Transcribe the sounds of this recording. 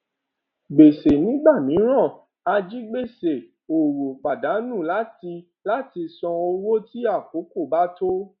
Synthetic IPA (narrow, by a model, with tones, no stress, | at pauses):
ɡ͡be˨se˨nĩ˦ɡ͡ba˦˨mĩ˨˦ɾ̃ã˦˨ | a˧d͡ʒi˦ɡ͡be˦˨se˨ | o˨wo˨k͡pa˨da˨˦nũ˦˨la˦ti˧ | la˦ti˧sɔ̃˧o˧wo˦ti˦a˦˨p̚o˨˦ko˦˨ba˦to˦